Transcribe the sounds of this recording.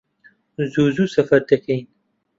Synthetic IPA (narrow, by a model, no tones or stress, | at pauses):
zuːzusɐfɐɾt̪ekiːn